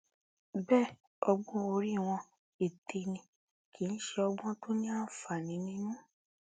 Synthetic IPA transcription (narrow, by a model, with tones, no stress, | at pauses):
bɛː˦˨ | ɔ˧ɡ͡bɔ̃˦o˧ɾi˦˨w̃ɔ̃˧ | e˨tʰe˨˧nĩ˧ | ki˨˦n̩˦ʃe˧ɔ˧ɡ͡bɔ̃˦to˦nĩ˦a˦˨fa˨nĩ˨˧˦nĩ˦nũ˦